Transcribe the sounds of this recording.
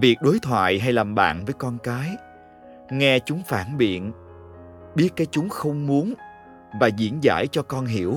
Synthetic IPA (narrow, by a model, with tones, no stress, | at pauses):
vi˨˩ək̚ɗo˨˦jt̪ʰwa̰ː˧˨jɦa˧jlaː˨˩mɓa̰ː˧˨nvəː˨˦jkɔ˧nkaː˨˦j | ŋɛ˧t͡ɕʊ˨˦ŋ͡mfaː˧˩nɓḭ˧˨ən | ɓi˦˥ət̚kaː˨˦jt͡ɕʊ˨˦ŋ͡mxə˧wŋ͡mmu˨˦ən | vaː˨˩zḭ˧˥ənza̰ː˧˥jt͡ɕɔ˧kɔ˧nɦi˧˩˨əw